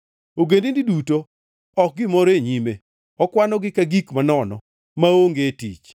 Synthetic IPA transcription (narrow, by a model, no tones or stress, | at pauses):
oɡendindiduto | ɔk̚ɡɪmɔɾeɲime | ɔkwanɔɡɪkaɡikmanɔnɔ̰ | maoŋɡetḭt͡ʃ